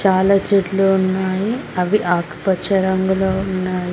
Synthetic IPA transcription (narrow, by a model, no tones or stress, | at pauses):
t͡ʃaːlaːt͡ʃeʈluunːaːjiɐʋiʔaːkpɐt͡ʃɐɾɐŋɡuloːunːaːji